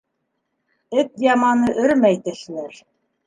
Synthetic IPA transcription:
ɘt̪jɑmɑnɤʔɘ̆ɾmæjt̪ɘ̆ʃɘ̆nɘɾ

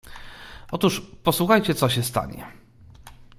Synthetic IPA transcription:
ʔɔt̪uʂpɔswuxajt͡ɕɛt̪sɔɕɛst̪a̰ɲɛ̰

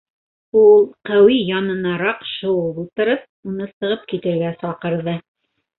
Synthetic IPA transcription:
ulˠqæwijɑnɤ̆nɑɾɑqʃɤ̆wɤlˠulˠt̪ɤ̆ɾɤp̚unɤsɤ̆ʁɤp̚kit̪ɘ̆ɾɡæsɑqɤ̆ɾðɤ

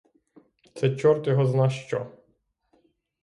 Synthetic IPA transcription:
t̪sɛt͡ʃɔrt̪jɔɦɔznɑʃt͡ʃɔ

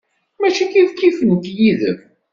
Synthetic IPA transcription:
mæt͡ʃikifkifənt̪jiðə̰m

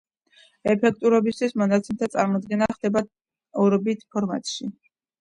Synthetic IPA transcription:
ɛpʰɛk̚ʰt̪ʼuɾɔbist̪ʰwismɔnat̪sʰɛmt̪ʰat̪sʼaɾmɔd̪ɡɛnaχd̪ɛba | ɔɾɔbit̪ʰpʰɔɾmat̪ʼʃi

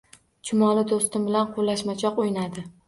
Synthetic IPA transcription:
t͡ʃʰʊmɒlɪd̪ost̪ɪmbɪlanqʰolːaʃmat͡ʃʰɒqojnad̪ɪ

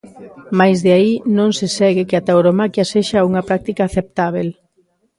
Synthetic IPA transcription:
majzðeainõŋsesɛɣɪkɪat̪awɾomakjɐseʃɐuŋɐpɾak̚t̪ikaːθep̚t̪aβ̞el

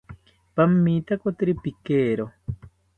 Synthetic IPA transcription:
pamːit̪akot̪iɾipikeːɾo

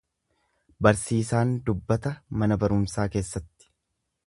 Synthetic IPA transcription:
bɐɾsiːsaːnd̪ʊbːɐt̪ɐmɐnɐbɐɾʊmsaːke̞ːsːɐt̪ːɪ̥

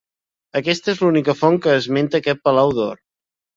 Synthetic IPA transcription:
əkɛst̪ezlunikəfɔŋkəːzment̪əːkɛt̪̚pəlawðor

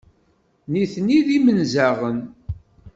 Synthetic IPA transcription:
niθniðimənzæʁən

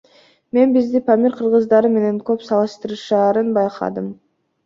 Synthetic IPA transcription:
me̞nbizd̪ipamʲiɾqʰɯɾʁɯzd̪ɑɾɯme̞ne̞ŋkøpsɑlˠɯʃt̪ɯɾɯʃɑːɾɯnbɑjqʰɑ̰d̪ɯm

